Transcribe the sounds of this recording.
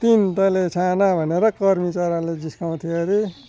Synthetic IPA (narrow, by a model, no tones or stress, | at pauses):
t̪int̪ʌlet͡sʰanabʱʌneɾʌkʌrmit͡saɾãled͡ziskaw̃t̪ʰieɾi